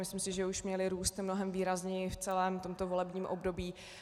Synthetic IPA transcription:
mɪslɪmsɪʒɛuʃmɲɛlɪɾuːst̪mnoɦɛmviːɾazɲɛjɪft͡sɛlɛːmt̪o̞mt̪ovo̞lɛbɲiːmʔobdo̞biː

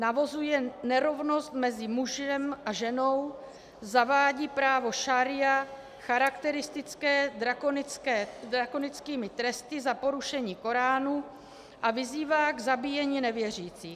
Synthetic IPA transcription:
navozujɛnɛɾo̞vno̞st̪mɛzɪmuʒɛmʔaʒɛno̞w | zavaːɟiːpɾaːvo̞ʃaɾɪja | xaɾakt̪ɛɾɪst̪ɪt͡skɛːdɾakonɪkɛːdɾako̞nɪt͡skiːmɪt̪ɾɛst̪ɪzapo̞ɾuʃɛɲiːko̞ɾaːnu | ʔavɪziːvaːɡzabiːjɛɲiːnɛvjɛr̝iːt͡siː

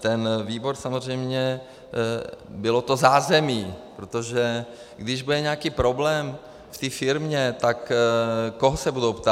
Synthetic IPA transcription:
t̪ɛnviːbo̞ɾsamo̞r̝ɛjmɲɛ | bɪlo̞t̪o̞zaːzɛmiːpɾot̪oʒɛ | ɡd̪ɪʒbud̪ɛɲɛakiːpɾo̞blɛːm | ft̪iːfɪɾmɲɛt̪ak | koɦosɛbudowpt̪a

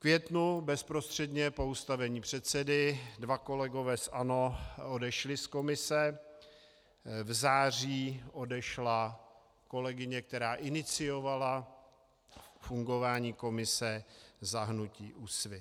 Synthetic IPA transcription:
kvjɛt̪nubɛspɾost̪r̥ɛdɲɛpo̞ust̪avɛɲiːpr̝̥ɛt̪sɛdɪdvako̞lɛɡo̞vɛːsʔano̞odɛʃlɪsko̞mɪsɛ | vzaːr̝iːʔo̞dɛʃla | ko̞lɛɡɪɲɛk̚t̪ɛɾaːʔɪnɪt͡sɪjo̞vala | fuŋɡo̞vaːɲiːko̞mɪsɛzaɦnuciːʔusvɪ

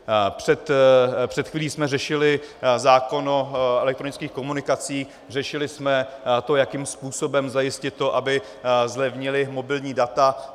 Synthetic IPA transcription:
pr̥ɛt̪pr̥ɛt̪xviːliːsmɛrɛʃɪlɪzaːko̞noʔɛlɛkt̪ɾo̞nɪt͡skiːxkomunɪkat͡siːx | r̝ɛʃɪlɪsmɛt̪o̞jakiːmspuːso̞bɛmzajɪscɪt̪ːo̞ʔabɪ | zlɛvɲɪlɪmo̞bɪlɲiːdat̪a

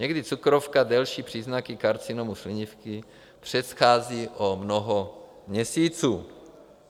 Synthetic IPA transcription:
ɲɛɡdɪt͡sukɾofkadɛlʃiːpr̝̥iːznakɪkaɾt͡sɪnomuslɪɲɪfkɪ | pr̝̥ɛt̪xaːziːʔomnoɦo | mɲɛsiːt͡suː

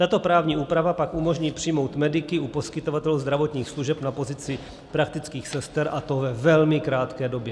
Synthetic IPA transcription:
t̪at̪o̞pɾaːvɲiːʔuːpɾavapakʔumo̞ʒɲiːpr̝̥ɪjmo̞wt̪mɛdɪkɪʔupo̞skɪt̪o̞vat̪ɛluzd̪ɾavo̞t̪ɲiːxsluʒɛpnapo̞zɪt͡sɪ | pɾak̚t̪ɪt͡skiːxsɛst̪ɛɾʔat̪o̞vɛvɛlmɪkɾaːt̪kɛːdo̞bjɛ

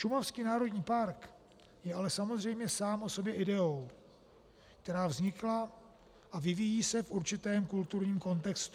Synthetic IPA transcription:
ʃumafskiːnaːɾo̞dɲiːpaɾk | jɛʔalɛsamozr̝ɛjmɲɛsaːmʔoso̞bjɛʔɪdɛo̞w | k̚t̪ɛɾaːvzɲɪkla | ʔavɪvijiːsɛfʔuɾt͡ʃɪt̪ɛːmkult̪uɾɲiːmko̞nt̪ɛkst̪u

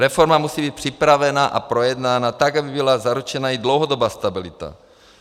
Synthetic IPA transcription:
ɾɛfo̞ɾmamusiːbiːt̪̚pr̝̥ɪpɾavɛnaʔa̰pɾo̞jɛdnaːnat̪aɡabɪbɪlazaɾut͡ʃɛnajidlowɦodobaːst̪abɪlɪt̪a̰

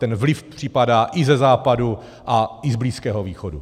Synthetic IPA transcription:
t̪ɛnvlɪfpr̥ɪpadaːʔɪzɛzaːpadu | ʔaʔɪzbliːskɛːɦoviːxodṵ

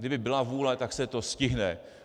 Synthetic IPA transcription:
dɪbɪbɪlavuːlɛt̪aksɛt̪o̞scɪɦnɛ

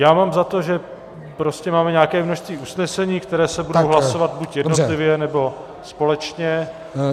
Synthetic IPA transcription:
jaːmaːmzat̪o̞ʒɛ | pɾo̞scɛmaːmɛɲaːkɛːmnoʃst̪viːʔusnɛsɛɲiːkt̪ɛɾɛːsɛbudowɦlaso̞vat̪̚bucjɛdnot̪lɪvjɛnɛbo̞ | spo̞lɛt͡ʃɲɛ

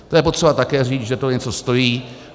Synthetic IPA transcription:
t̪ojɛpot̪r̥ɛbat̪akɛːriːt͡sʒɛt̪oɲɛt͡so̞st̪o̞jiː

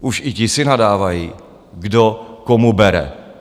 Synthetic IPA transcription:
ʔuʃɪcɪsɪnadaːvajiː | ɡdokomubɛɾɛ̰

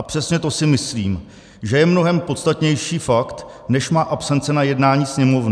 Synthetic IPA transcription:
apr̥ɛsɲɛt̪o̞sɪmɪsliːm | ʒɛjɛmno̞ɦɛmpo̞t̪st̪at̪ɲɛjʃiːfakt̪ | nɛʃmaːʔapsɛnt͡sɛnajɛdnaːɲiːsɲɛmo̞vn

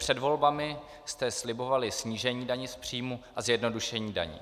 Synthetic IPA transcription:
r̝̥ɛdvo̞lbamɪ | st̪ɛslɪbo̞valɪsɲiːʒɛɲiːdaɲɪspr̝̥iːmuʔazjɛdno̞duʃɛɲiːda̰ɲḭː

